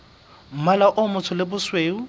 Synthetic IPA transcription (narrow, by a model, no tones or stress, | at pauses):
m̩malaʔʊmʊt͡sʰʊlɪbʊsweːʊ